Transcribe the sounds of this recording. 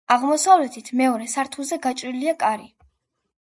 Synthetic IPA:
aʁmɔsavlɛt̪ʰit̪ʰmɛɔɾɛsaɾt̪ʰuzɛɡat͡ʃʼɾiliakʼaɾi

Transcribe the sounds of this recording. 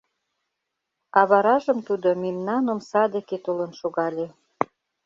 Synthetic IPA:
ɑβɑɾɑʒə̆mt̪ud̪omʲimnɑnomsɑd̪eket̪ulənʃoɣɑlʲe

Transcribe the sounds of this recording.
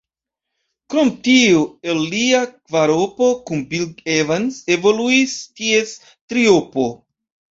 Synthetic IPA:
kɾo̞mtioelːiakvaɾopo̞kunbilɡevanse̞vo̞luistie̞s | tɾiopo̞

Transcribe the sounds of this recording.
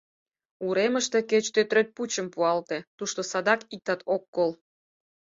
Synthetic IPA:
uɾeməʃt̪e̽ket͡ɕt̪øt̪ɾøt̪̚put͡ɕəmpuɑlt̪e̽t̪uʃt̪osɑd̪ɑkik̚t̪ɑt̪ʰokːol

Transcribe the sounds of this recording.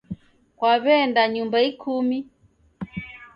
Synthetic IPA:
kwaβɛndaɲumbaikʰumi

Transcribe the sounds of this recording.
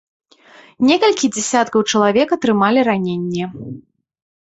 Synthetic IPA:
nʲɛkɐlʲkʲid͡zʲɛsʲat̪kɐwt͡ʂɐlˠavʲɛkɐt̪ɾɨmalʲiɾanʲenʲːɛ

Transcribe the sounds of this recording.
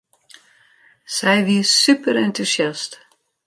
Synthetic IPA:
sɛjʋiəssypəɾɛntusjast

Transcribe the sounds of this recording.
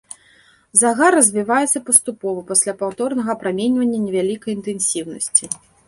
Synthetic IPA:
zaɣarːɐzʲvʲivajɛt̪sɐpɐst̪upɔvɐpasʲlʲapawt̪ɔrnɐɣɐpɾamʲɛnʲvɐnʲːɐnʲɛvʲalʲikɐjint̪ɛnsʲiwnɐ̰sʲt͡sʲi

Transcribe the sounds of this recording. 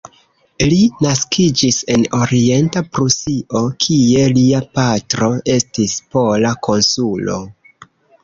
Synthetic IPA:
linaskʰid͡ʒise̞no̞ɾie̞ntapɾusio̞kʰie̞liapatɾo̞e̞stispo̞lakʰo̞nsulo̞̰

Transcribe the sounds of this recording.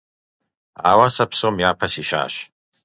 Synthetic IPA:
a̰wasapʰsomjapʰasiʃa̰ːʃ

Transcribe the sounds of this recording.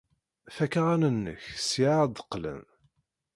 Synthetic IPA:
θækaʁænənːə̰çsiʕad̪əqːlə̰n

